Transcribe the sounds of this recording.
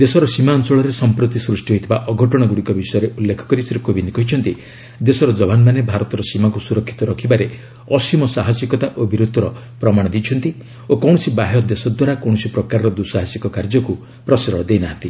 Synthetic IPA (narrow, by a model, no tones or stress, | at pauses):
d̪esɔɾɔsimaːnt͡ʃɔɭɔɾesɔmpɾot̪isɾusʈiɦoit̪ʰibaʔɔɡʱɔʈɔɽ̃ɔɡuɽikɔbisɔjɔɾeʔulːekʰɔ̥kɔɾiseɾkobind̪ikɔɦit͡ʃʰɔnt̪i | d̪esɔɾɔd͡ʒɔbʱanmanebʱaɾɔt̪ɔɾɔsimakusuɾɔkʰːi̥t̪ɔɾɔkʰibaɾe | ɔsimɔsaɦasikɔt̪aʔobiɾud̪ʱɔɾɔ | pɾɔmaɽ̃ɔd̪it͡ʃʰɔnt̪i | okɔw̃ɽ̃ɔsibaɦɔd̪esɔd̪waɾakɔw̃ɔsipɾɔkaɾɾɔd̪usaɦasikɔkaɾd͡ʒɔku | pɾɔsiɾɔɽɔd̪ejnaɦant̪i